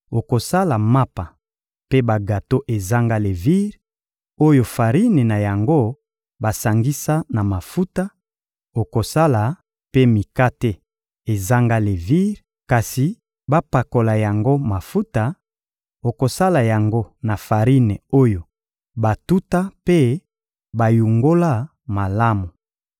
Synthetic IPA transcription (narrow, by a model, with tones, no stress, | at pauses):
o˨ko˨sa˦la˨ma˦pa˨ | pe˦ba˨ɡa˨to˦ʔe˨za˦ŋɡa˦le˨vi˦ʁ | o˦jo˨fa˨ʁi˦ne˨na˨ja˨ŋɡo˦ | ba˨sa˨ŋɡi˦sa˦na˨ma˨fu˦ta˦ | o˨ko˨sa˦la˨ | pe˦mi˨ka˦te˦ | e˨za˦ŋɡa˦le˨vi˦ʁ | ka˨si˨ | ba˦pa˨ko˨la˨ja˨ŋɡo˦ma˨fu˦ta˨ | o˨ko˨sa˦la˨ja˨ŋɡo˦na˨fa˨ʁi˦ne˨o˦jo˨ | ba˨tu˦ta˦pe˦ | ba˨ju˨ŋɡo˦la˦ | ma˨la˦mu˨